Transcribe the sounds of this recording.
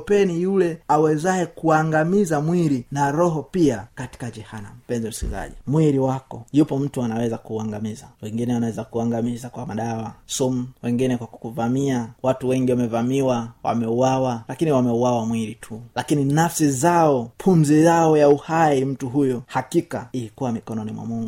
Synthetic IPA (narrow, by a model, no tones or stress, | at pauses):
pɛnijulɛawɛzaɛkuaŋɡamizamwiɾinaɾɔɦɔpiakati̥kad͡ʒɛhana̰m̩pɛnzɛm̩skḭza̰ʄɛ̰mwiɾiwakɔjupɔm̩tuanawɛzakuːaŋɡamizawɛŋɡinɛwanawɛzakuaŋɡamizakwamaɗawasumuwɛŋɡinɛkwakukuvamiawatuwɛŋɡiwamɛvamiwawa̰mɛuawalakiniwamɛuwawamwiɾitʰulakininafsizaɔpʰumzijaɔjauhaim̩tuɦujɔhakikaiikuwamikɔnɔnimwa̰muŋɡu